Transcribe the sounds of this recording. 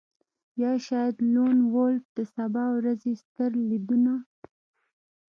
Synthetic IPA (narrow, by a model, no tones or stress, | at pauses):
jɑʃɑjad̪lonwolfd̪̥əsabɑwɾazest̪əɾlid̪una